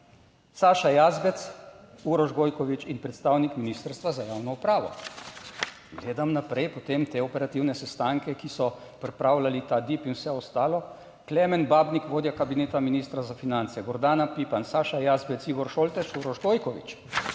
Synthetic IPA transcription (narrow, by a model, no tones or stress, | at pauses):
saːʃajaːzbɛt̪suɾɔʒɡoːjkɔʋit͡ʃinpɾɛt̪st̪aːwnikminiːst̪əɾst̪ʋazajaːwnɔupɾaːʋɔ̰ | ɡleːd̪amnapɾɛjpɔt̪emt̪eːɔpɛɾat̪iwnɛsɛst̪aŋkɛkisɔ | pɾipɾaːwlalit̪ad̪ipinwsɛɔst̪aːlɔ | klɛmɛnbaːbnikʋoːd̪jakabineːt̪aminiːst̪ɾazafinant̪sɛɡɔɾd̪aːnapipansaːʃajazbɛt̪siːɡɔɾʃoːlt̪ɛʃuɾɔʒɡoːjkɔʋḭt͡ʃ